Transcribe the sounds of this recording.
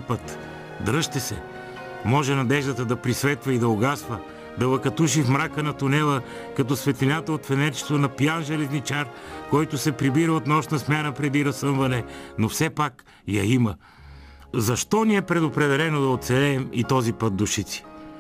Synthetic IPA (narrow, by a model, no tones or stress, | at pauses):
pət̪ | d̪ɾɤʃt̪ɛsɛ̰ | mɔʒɛnɐd̪ɛʒd̪ət̪əd̪ɐpɾisvɛt̪vɐid̪ɐoɡasvə | d̪ɐvˠɐkɐt̪uʃ̬ifmɾakənɐt̪ʊnɛlˠə | kɐt̪̬ɔsvɛt̪linat̪əot̪fɛnɛɾt͡ʃɛ̥t̪onɐpjanʒɛlɛznit͡ʃaɾkɔjt̪ʊsɛpɾibiɾəot̪nɔʃnɐsmʲanəpɾɛd̪iɾɐsɤnvɐnɛnofsɛpak | jɐimə | zɐʃt̪ɔniɛpɾɛd̪opɾɛd̪ɛlɛnod̪ɐot̪sɛlɛːmit̪ɔzipət̪̚d̪ʊʃit̪si̥